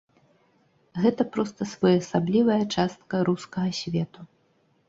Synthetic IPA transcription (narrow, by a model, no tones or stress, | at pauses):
ɣɛt̪ɐpɾɔst̪ɐsvɔjasablʲivɐjɐt͡ʂast̪̚kɐɾuskɐɣɐsʲvʲɛt̪u